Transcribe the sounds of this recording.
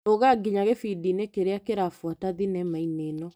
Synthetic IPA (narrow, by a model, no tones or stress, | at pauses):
oɣaɡiɲaɣefidinekeɾeakeɾafwataðinɛmainenɔ